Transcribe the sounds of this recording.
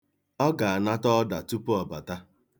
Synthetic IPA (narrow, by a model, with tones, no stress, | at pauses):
ɔ˦ɡa˨a˨na˦tɔ˦da˨tu˦pu˦ɔ˨ba˨ta˦